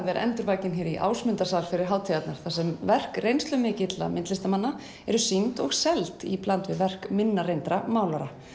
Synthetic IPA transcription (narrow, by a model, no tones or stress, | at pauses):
ðɛɾʔɛ̰nt̪ʏɾvaːjcɪnçɛɾiʔa̰ːwsmʏnt̪asalfɪɾɪɾɦaːwt̪ʰijat̪naɾ̥θasɛmvɛr̥krejnst̪lʏmɪːcɪt̪la̰mɪnt̪lɪst̪amanːa | ɛɾʏsint̪ɔɣsɛlt̪ḭplant̪vɪðvɛr̥kmɪnːaɾejnt̪ɾamaːwlaɾa